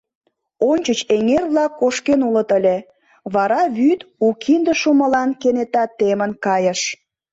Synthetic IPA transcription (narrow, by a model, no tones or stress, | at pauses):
onʲt͡ɕət͡ɕeŋerβlɑkːoʃkenulət̪əlʲe | βɑɾɑβyt̪ukʰind̪ə̆ʃuməlɑnkenet̪ɑt̪ːemənkɑjə̆ʃ